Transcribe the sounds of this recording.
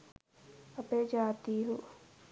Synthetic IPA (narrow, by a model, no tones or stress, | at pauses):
ɐped͡ʒaːt̪iːɦu